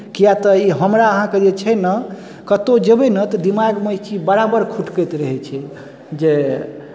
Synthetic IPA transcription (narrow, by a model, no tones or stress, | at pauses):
kijat̪əiɦəmɾaəɦãked͡ʒet͡ʃʰɛnə | kət̪od͡ʒəbenət̪əd̪imaɡmət͡ʃibəɾabəɾkʰuʈkəjt̪ɾəɦɛt͡ʃʰɛ | d͡ʒe